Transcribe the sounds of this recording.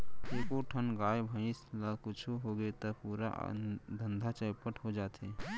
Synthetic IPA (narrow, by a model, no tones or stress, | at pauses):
ekoʈʰənɡajbʱəɪ̃sləkʊt͡ʃʰuɦoɡet̪əpuɾa̰d̪ʱənd̪ʱat͡ʃəjpəʈɦod͡ʒaːt̪ʰe